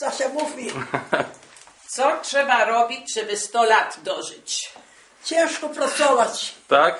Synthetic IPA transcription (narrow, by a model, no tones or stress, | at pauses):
zaɕamufmʲi | t̪sɔtʂɛbaɾɔbʲit͡ɕʐɛbɛst̪ɔlat̪d̪ɔʐɪt͡ɕ | t͡ɕɛ̃ʂkɔpɾat̪sɔvat͡ɕt̪ak